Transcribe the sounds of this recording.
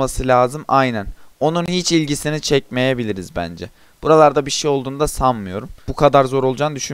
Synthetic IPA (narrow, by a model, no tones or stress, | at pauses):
masɯlʲaːzɯmajnæno̞nunhit͡ʃilʲɟisinit͡ʃʰɛc̚me̞jebilʲiɾizbæ̰nd͡ʒɛ̰ | buɾalˠaɾd̪abiɾʃejolˠd̪uːnud̪asanmɯjo̞ɾumbukʰad̪aɾzo̞ɾo̞lˠud͡ʒaːnd̪yʃy